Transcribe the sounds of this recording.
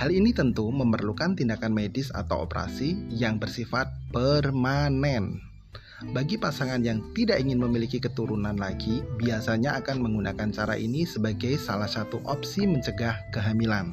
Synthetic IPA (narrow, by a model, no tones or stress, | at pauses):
halinit̪ənt̪uməmərlukant̪indakanmedɪsa̰t̪awo̰pəɾa̰sijaŋbərsifat̪̚pərmanɛn | baɡipasaŋanjaŋt̪idaʔiŋɪnməmilikikət̪uɾunanlaɡibiasaɲaakanməŋɡuna̰kant͡ʃaɾa̰ʔḭnisəbaɡajsalahsat̪uʔɔpsiməɲt͡ʃəɡahkəɦamilan